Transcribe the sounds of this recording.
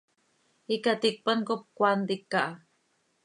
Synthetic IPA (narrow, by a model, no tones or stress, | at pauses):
ikat̪ik̚pənkop̚kʷant̪ikːaʔa